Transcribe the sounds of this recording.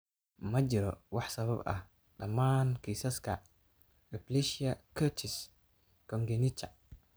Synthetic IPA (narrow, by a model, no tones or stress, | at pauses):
mɐt͡ʃɪɾɔ̰wɑħsɐβɐbɐ̰h | ɖɐmaːnkʰiːsɐskʰɐ | ɪpliʃɪɐkʰɐt͡ʃʰɪs | kʰɔŋɡɛnit͡ʃɐ